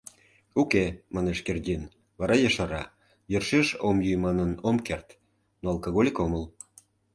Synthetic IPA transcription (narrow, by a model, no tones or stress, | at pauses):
ukemɑneʃkerdʲin | βɑɾɑjɑʃɑɾɑ | jørʃeʃomjujmɑnənomkert̪ | noɑlkoɣolʲikoməl